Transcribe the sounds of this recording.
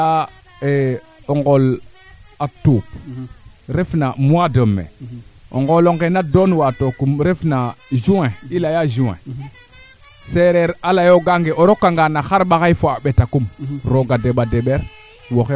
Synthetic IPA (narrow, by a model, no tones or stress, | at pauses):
a | e | oŋɡol | atop | ɾefnamuadəmːḛo̰ŋɡoloŋɡenadonwatokumɾefnad͡ʒueilajaʒuwḛ | seɾeɾalajoɡaŋɡeʔoɾokːaŋɡanaxaɾɓaɣaifoaɓetakumɾoɡadeɓadeɓeɾ | woxe